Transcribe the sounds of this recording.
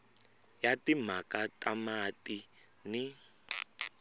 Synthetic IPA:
jatim̤akatamati | ni

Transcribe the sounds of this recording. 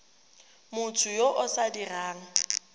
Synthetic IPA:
mʊtʰʊjoʔʊsadiraːŋ̩

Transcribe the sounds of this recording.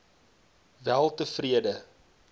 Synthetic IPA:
vælˠtəfriədə

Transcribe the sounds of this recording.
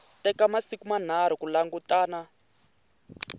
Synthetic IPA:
tɛkamasikuman̤aɾ̤ukulaŋɡutaːna

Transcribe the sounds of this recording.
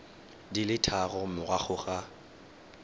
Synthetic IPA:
dilɪtʰaɣɔmʊɣwaχʰʊɣa

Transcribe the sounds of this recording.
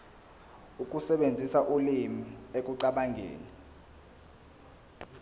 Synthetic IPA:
uk̬ʼusɛɓend͡zʱisaʔulimiek̬ʼuǀaɓaŋʱḛːni

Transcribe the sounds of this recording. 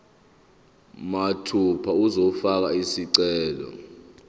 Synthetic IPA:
matʰupʰauzɔfak̬aisiǀɛːlɔ̰

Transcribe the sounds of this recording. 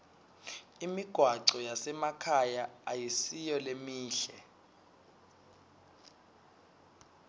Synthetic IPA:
imiɡ̥ʱwaǀɔjasɛmakʰajaajisijɔlemiːɬɛ

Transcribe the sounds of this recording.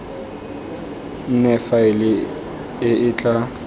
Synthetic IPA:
n̩nɛfaɪlɪ | ɪɪt͡ɬʼa

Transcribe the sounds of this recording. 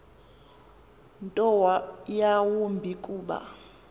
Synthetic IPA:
ntʼɔwajawumbʱikʼuːɓa̰

